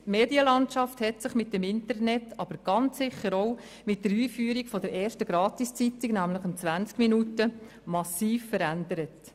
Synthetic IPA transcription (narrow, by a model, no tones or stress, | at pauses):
meːdiəlɑnt͡ʃɑfthɛtsɪχmɪt̚dɛmɪntərnɛtʰɑb̥əɾɡ̥ɑnt͡sːɪχəɾoʊ | mɪt̚dəɾiːfyːəɾikfɔdəɾɛːɾʃtəɡɾɑːtist͡sitiɡnæmləχɪnt͡sʋænt͡skminutə | mɑsiːfːəɾændəɾət